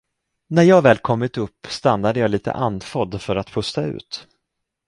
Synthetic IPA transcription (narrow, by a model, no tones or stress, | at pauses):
næɾjɑːvɛːlkʰɔmːɪt̪ɵpːst̪anːad̪əjɑːliːt̪ʰə̰ʔanfɔd̪fœɾat̪pʰɵst̪aʉ̟̰ːt̪